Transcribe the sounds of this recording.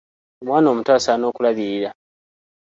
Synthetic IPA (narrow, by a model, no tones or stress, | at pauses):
omwaːno̞ːmutwaːsano̞ːkulaβiɾiɾa